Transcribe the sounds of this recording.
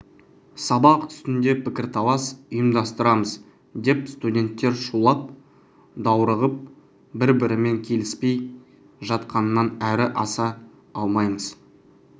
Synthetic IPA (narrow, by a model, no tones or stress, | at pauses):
sɑbɑqʏ̥st̪ɪnd̪e̞pʰɪkʲɪɾt̪ʰɑlˠɑsʊjəmd̪ɑst̪əɾɑməz | d̪e̞pst̪udʲe̞nt̪ːe̞ɾʃulˠɑp̚ | d̪ɑwɾəʁəp̚ | bɪɾbɪɾɪme̞ŋkʲʰe̞lɪspe̞j | ʒɑt̪qɑnənːɑnæɾɪʔɑsɑ | ɑlˠmɑjməz̥